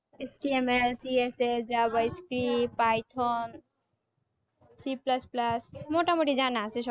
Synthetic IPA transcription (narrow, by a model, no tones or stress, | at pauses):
esʈiemelsiesed͡ʒabəjskɾipajʈʰɔn | siplɐsplɐsmoʈamoʈid͡ʒanaseʃ